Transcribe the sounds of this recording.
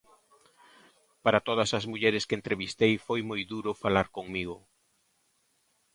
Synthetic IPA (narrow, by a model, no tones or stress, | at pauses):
paɾat̪oð̞ɐsɐzmuʎɛɾɪskent̪ɾeβist̪ejfojmojðuɾʊfalaɾkoŋmiɣʊ